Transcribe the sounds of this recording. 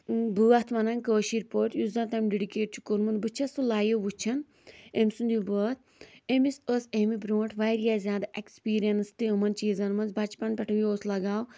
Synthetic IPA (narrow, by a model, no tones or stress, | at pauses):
buːɐt̪ʰmɐnɐŋkəːʃiɾpoːɾʈ̪juzɐnt̪ɐmɖeɖikeːʈ̚t͡ʃʰu̥konmɐnbɨt͡ʃʰɐsulaːjebut͡ʃʰɐn | emsund̪ibəːt̪̚ʰ | emisəsemibɾõːʈʰʋaːjɾjazʲjaːd̪aʔekspiːɾijɐnst̪iɐmɐnt͡ʃiːzɐnmɐnzbɐt͡ʃpɐnpʲɐʈʰɐʋioːslɐɡaːw